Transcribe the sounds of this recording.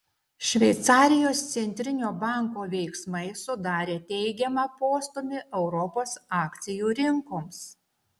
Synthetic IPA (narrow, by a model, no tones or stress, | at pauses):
ʃʲʋʲɛɪt̪sɑːɾʲɪjoːst̪sʲɛnʲt̪ʲɾʲɪnʲoːbɑˑŋkoːʋʲɛɪksmɐɪsʊd̪ɑːɾʲeːt̪ʲɛɪɡʲɛmɑpoːst̪ʊmʲɪʔɛʊɾɔpoːsɑːkʲt̪sʲɪjuːɾʲɪŋkoːms